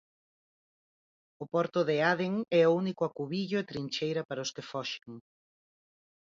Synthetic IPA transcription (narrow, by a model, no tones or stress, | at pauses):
ʊpɔɾt̪ʊðɪaðeŋɛounikʊakuβiʎʊet̪ɾint͡ʃejɾɐpaɾɐʊskɪfɔʃe̥ŋ